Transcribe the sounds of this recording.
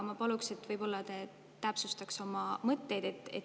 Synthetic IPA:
mɑpɑlukse̞t̪ːˑvɤjb̥o̞lːɑt̪e | t̪æpsust̪ɑkso̞mɑmɤt̪ːe̞jd̪̥e̞t̪ːˑḛt̪

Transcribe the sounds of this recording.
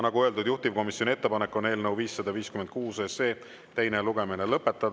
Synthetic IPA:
nɑɡuø̞ld̪ud̪̥juht̪ivko̞misjo̞nʲie̞t̪ːe̞pɑnekːˑo̞ne̞ːlnəwviːsːɑd̪ɑviːskymend̪kuːsese̞ː | t̪ejne̞luɡ̥e̞minelɤpːe̞t̪ːˑɑd̪

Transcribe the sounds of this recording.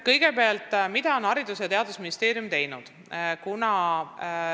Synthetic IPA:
kɤjɡ̥e̞peɑlt̪ːˑmid̪̥ɑo̞nɑɾid̪usjɑt̪e̞ɑd̪usminist̪e̞ːɾijumt̪e̞jnud̪̥ | kunɑ

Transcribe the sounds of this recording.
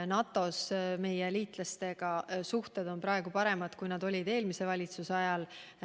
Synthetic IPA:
nɑt̪ːˑo̞sme̞jeliːt̪ˑlɑst̪e̞ɡ̥ɑsuht̪e̞d̪o̞npɾɑeɡ̥upɑɾe̞mɑd̪̥kujnɑd̪o̞lʲid̪̥e̞ːlmise̞vɑlʲit̪susɑjɑl

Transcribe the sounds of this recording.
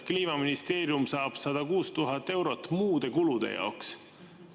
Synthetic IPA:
kliːmɑminist̪e̞ːɾjumsɑːb̥sɑd̪̥ɑkuːst̪uɦɑt̪ːˑe̞wɾo̞t̪ːˑmuːd̪̥e̞kulud̪̥ḛjɑ̰oks

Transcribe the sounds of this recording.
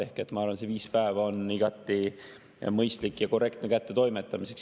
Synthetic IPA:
ehke̞t̪ːmɑɑɾrvɑnse̞viːspæevɑo̞niɡ̥ɑt̪ːˑi | mɤjst̪likːˑjɑko̞re̞kt̪nekæt̪ːe̞t̪o̞jmet̪ːˑɑmise̞ks

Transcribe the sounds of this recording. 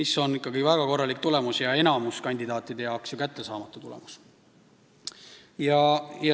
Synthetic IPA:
misːo̞nikːˑɑɡivæɡ̥ɑko̞rːɑlik̚t̪ule̞musjɑe̞nɑmuskɑnʲd̪̥id̪ɑːt̪ˑːid̪̥e̞jɑwksjɑkæt̪ːe̞sɑːmɑt̪ːˑut̪ulḛmus | jɑjɑ

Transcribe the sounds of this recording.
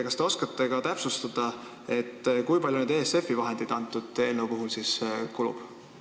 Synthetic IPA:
kɑst̪eo̞skɑt̪ːˑeɡ̥ɑt̪æpsust̪ɑd̪̥ɑ | e̞t̪ːkujpɑlʲjuned̪e̞ːse̞fivɑɦe̞nd̪̥id̪ɑnt̪ːˑud̪̥e̞ːnːewpuɦulsiskulṵb̥

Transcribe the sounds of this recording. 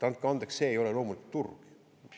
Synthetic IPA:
t̪ɑnkɑnd̪eksse̞ːejo̞lelo̞ːmuliku̥t̪t̪ːurɡ̥

